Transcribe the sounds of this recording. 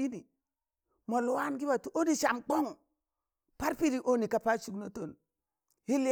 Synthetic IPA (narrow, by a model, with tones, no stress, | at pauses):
i˦ni˨ | mo˨lu˨wa˦nɡi˦ba˨tu˨o˦ni˨ʃa˨mk͡po˦ŋ | pa˦ɾpi˦di˨ʔo˦ni˨ka˨pa˦t͡ʃu˦ɡno˦to˨n | hi˦li˦